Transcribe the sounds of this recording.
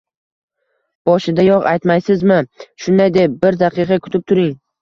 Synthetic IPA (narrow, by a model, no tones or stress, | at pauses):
b̥ɒʃɪd̪ajɒʁajt̪majsɪzmɪʃʊnd̪ajd̪e̞p̚bɪɾd̪aqʰɨqʰɑkʰʊ̥t̪ʰɪp̚t̪ʰʊɾɪŋ